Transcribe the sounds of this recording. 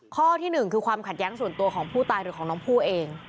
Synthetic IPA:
kʰɔː˥˩t̪ʰiː˥˩nɯ˨˩ŋkʰɯː˧kʰwaː˧mkʰa˨˩t̪̚jɛː˦˥ŋsu˨˩ənt̪u˧ɐkʰɔː˩˦ŋpʰuː˥˩t̪aː˧jɾɯː˩˦kʰːŋnɔː˦˥ŋpʰuː˥˩ʔeː˧ŋ

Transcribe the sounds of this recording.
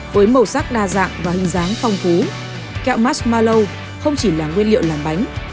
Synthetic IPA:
vəː˨˦jmə˨˩wsa˦˥k̚ɗaː˧za̰ː˧˨ŋvaː˨˩hɨ˨˩ŋzaː˨˦ŋfɔ˧wŋ͡mfu˨˦ | kɛ̰˧˨wmaː˦˥tmaː˧lə˧w | xə˧wŋ͡mt͡ɕi˧˩laː˨˩ŋwi˧ənlḭ˧˨wlaː˨˩mɓa˨˦jŋ̟

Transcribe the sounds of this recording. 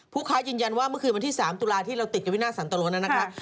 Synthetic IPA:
pʰuː˥˩kʰaː˦˥jɯː˧nja˧nwaː˥˩mɯ˥˩kʰɯː˧wa˧nt̪ʰiː˥˩saː˩˦mt̪uː˧laː˧t̪ʰiː˥˩ɾa˧wt̪i˨˩ka˨˩wi˦˥˩naː˥˩sa˩˦nt̪a˧lu˧na˦˥na˦˧kʰɾa˦˥p̚

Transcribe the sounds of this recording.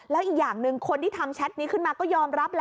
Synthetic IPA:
lɛː˦˥ʔiː˨˩k̚jaː˨˩ŋnɯ˧ŋkʰo˧nt̪ʰiː˥˩t̪ʰa˧mt͡ɕʰa˦˥t̪̚niː˦˥kʰɯ˥˩nmaː˧kɔː˥˩jɔː˧mɾa˦˥p̚l

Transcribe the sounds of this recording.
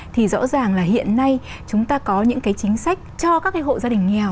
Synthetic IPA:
t̪ʰi˨˩zɔ̰˧˥zaː˨˩ŋlaː˨˩hḭ˧˨ənːa˧j | t͡ɕʊ˨˦ŋ͡mt̪aː˧kɔ˨˦ɲɨ̰˧˥ŋkaː˨˦jt͡ɕï˨˦ŋ̟sa˦˥jk̟̚t͡ɕɔ˧kaː˦˥kːaː˨˦jɦo̰˧˨zaː˧ɗï˨˩ŋ̟ŋɛ˨˩w

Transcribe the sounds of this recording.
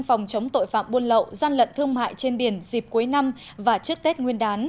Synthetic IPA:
ŋfɔ˨˩wŋ͡mt͡ɕə˨˦wŋ͡mt̪o̰˧˨jfa̰ː˧˨mɓu˧ənlə̰˧˨wzaː˧nlə̰˧˨nt̪ʰɨ˧əŋma̰ː˧˨jt͡ɕe˧nɓi˧˩ənzi˨˩p̚ku˨˦jna˧m | vaː˨˩t͡ɕɨ˦˥ək̚t̪e˦˥t̚ŋwi˧ənɗaː˨˦n

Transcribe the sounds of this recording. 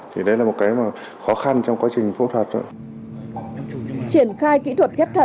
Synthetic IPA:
t̪ʰi˨˩ɗə˧jlaː˨˩mo˨˩t̚kaː˨˦jmaː˨˩ | xɔ˨˦xa˧nt͡ɕɔ˧wŋ͡mkwaː˨˦t͡ɕï˨˩ŋ̟fṵ˧˥t̪ʰwəː˨˩t̚zo̰ː˧˨j | t͡ɕi˧˩ənxaː˧jkḭ˧˥t̪ʰwə˨˩t̚kɛ˦˥p̚t̪ʰə˧˩

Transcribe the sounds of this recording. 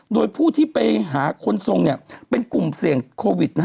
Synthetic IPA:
doː˧jpʰuː˥˩t̪ʰiː˥˩pa˧jɦaː˩˦kʰo˧nso˧ŋni˥˩ɐpe˧nku˨˩msi˨˩əŋkʰoː˧wi˨˩t̪̚n˥

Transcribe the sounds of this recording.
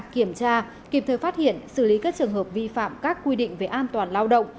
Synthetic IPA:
ki˧˩əmt͡ɕaː˧ | ki˨˩p̚t̪əː˨˩jfaː˦˥t̚hḭ˧˨ənsɨ˧˩li˨˦kaː˦˥k̚t͡ɕɨ˨˩əŋhəː˨˩p̚vi˧fa̰ː˧˨mkaː˦˥kːwi˧ɗḭ̈˧˨ŋ̟ve˨˩ʔaː˧nt̪waː˨˩nlaː˧wɗə̰˧˨wŋ͡m

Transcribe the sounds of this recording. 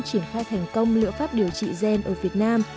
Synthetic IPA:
t͡ɕi˧˩ənxaː˧jt̪ʰɛ˨˩jŋ̟kə˧wŋ͡mlɨ̰˧˥əfaː˦˥p̚ɗi˨˩əwt͡ɕḭ˧˨zɛ˧˩nʔəː˧˩vi˨˩ət̚naː˧m

